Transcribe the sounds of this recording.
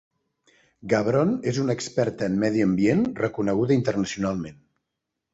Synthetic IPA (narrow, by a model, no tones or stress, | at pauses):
ɡaβɾonezunəkspɛɾt̪əːmːɛðiəmbienrəkunəɣ̞uðəint̪ərnəsiunalˠmen